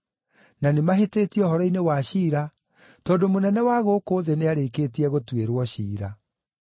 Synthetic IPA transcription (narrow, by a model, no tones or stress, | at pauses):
nanemaɦeteːtiɛɔhɔɾɔinewaɕiːɾa | tɔːdomonɛnɛwaɣokoːðeneaɾekeːtiɛɣotweɾwɔɕiːɾa̰